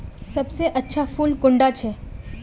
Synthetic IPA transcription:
sɐbseʔɐtːʃʰafuːlkʊ̃ɳɖat͡ʃʰɛː

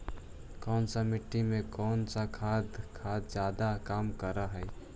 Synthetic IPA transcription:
kɔːnsamɪʈːimẽkɔːnsakʰaːd̪kʰaːd̪zjaːd̪akaːmkəɾaɦɛ

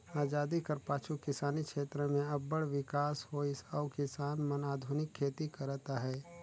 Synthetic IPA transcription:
aːd͡ʒaːd̪ikɐɾpaːt͡ʃʰukɪsaːnikʃeːt̪ɾəmẽɐbːəɽʋɪkaːshoɪsɔːkɪsaːnmɐnaːd̪ʱʊnɪkʰːeːt̪ikɐɾt̪aɦɛː

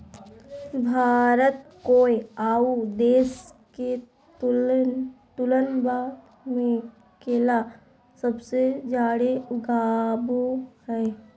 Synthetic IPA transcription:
bʱaːɾət̪̚koːiaːud̪eːske | t | t̪ʊlənbaːd̪ | mẽ | keːla | səbsed͡ʒaːɽeʊɡaːboɦɛː

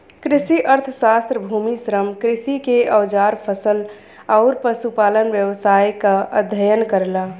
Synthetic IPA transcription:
kɾisiʔəɾt̪ʰəsast̪ɾəbʱumisɾəmkɾisikeʔəwd͡ʒaɾpʰəsəl | aʊɾpəsupalənbjəʋsajkəəd̪ʱəjənkəɾla

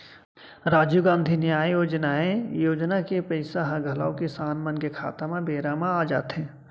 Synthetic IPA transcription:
ɾaːd͡ʒjuɡãːnd̪ʱinjaːjjoːd͡ʒnaːẽjoːd͡ʒnakepəɪsaɦəɡʱəlaokesaːnmənkekʰa̰ːt̪amẽbeːɾamãaːd͡ʒa̰ːt̪ɦẽː

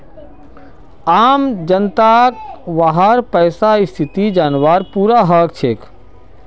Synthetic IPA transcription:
aːmd͡ʒənt̪akʋaɦaɾpəːsaɪst̪ʰɪt̪id͡ʒaːnʋaːɾpuːɾaɦəkt͡ʃʰeːk

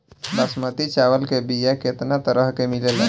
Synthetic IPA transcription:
ləsmət̪it͡ʃaʋəlkebijaket̪nat̪əɾəɦkemilelɛ̰

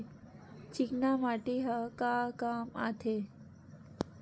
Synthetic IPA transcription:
t͡ɕiknamaːʈeɦəkakaːma̰t̪ʰe

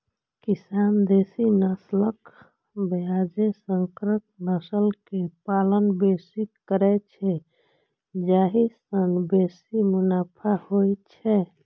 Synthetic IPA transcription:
kisand̪esinəslək | bead͡ʒesəŋkɾək̚nəsəlkepalənbesikəɾɛt͡ʃʰɛ | d͡ʒaɦisənbesimunapʰahojt͡ʃʰɛ

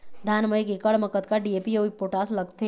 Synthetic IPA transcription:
d̪ʱaːnməikekəɭməkət̪kaɖieːpioipoʈaːsləɡt̪e

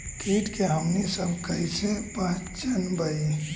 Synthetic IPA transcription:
kʰeːʈkeɦəmnisəbʱkəisepãːt͡ʃt͡ʃənbəi

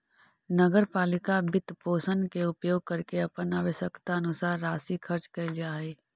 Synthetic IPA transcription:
nəɡəɾpaːlɪkabɪt̪poːsənkeʊpjoːɡ̚kəɾkeɐpənaːʋəsəkt̪aɐnʊsaːɾːaːsikʰəɾt͡ʃkɐld͡ʒaːeː

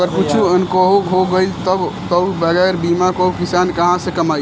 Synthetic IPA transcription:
ɡəɾkut͡ʃʰuənkoɦuɦoɡəjlt̪əbt̪əwbəɡɛɾbimakoɦukʰisankəɦãsẽkəmaj

